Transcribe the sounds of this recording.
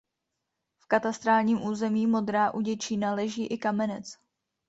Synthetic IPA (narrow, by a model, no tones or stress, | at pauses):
fkat̪ast̪ɾaːlɲiːmʔuːzɛmiːmo̞d̪ɾaːʔuɟɛt͡ʃiːnalɛʒiːʔɪkamɛnɛt͡s